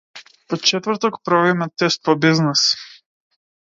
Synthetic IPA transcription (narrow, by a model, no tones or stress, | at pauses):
pɔt͡ʃɛt̪vəɾt̪ɔkpɾɔvimɛt̪ɛst̪̚pɔbiznɛs